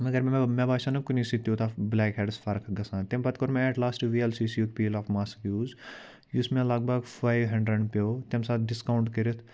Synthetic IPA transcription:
mɐɡɐɾmmẽbaːʃãnɐkuniːsit̪jot̪ʰablɛːkɦeɖsfʰɐɾkʰɡɐsãːt̪embɐt̪̚koɾmẽɛʈlaːsʈʋiːɛlsiːsijuk̚piːlaːfmaːskjuːz | jusmẽlak̚bɐɡfaːjʋɦɐ̃ɳɖɾɐɳɖpʲjoːt̪emsaːɖɪskawʊɳʈkɐɾit̪ʰ

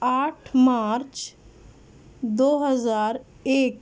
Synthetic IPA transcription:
aːʈʰmaːɾt͡ʃ | d̪oːɦəzaːɾ | eːk

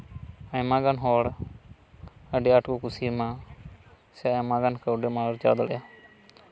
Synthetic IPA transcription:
ajmaɡanɦɔɽ | əɖiaʈkukusima | sɛajmaɡankəwɖɛmaɾd͡ʒa̰d̪ɔɽɛ̰ja

